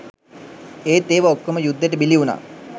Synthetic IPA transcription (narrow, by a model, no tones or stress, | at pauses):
eːt̪eːʋaokːəməjud̪ːeʈəbiliuna̰ː